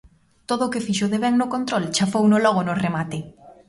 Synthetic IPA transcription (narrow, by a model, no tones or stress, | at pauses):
t̪oðoːkɪfiʃoðeβɛŋnʊkont̪ɾolt͡ʃafownʊlɔɣ̞onʊremat̪ɪ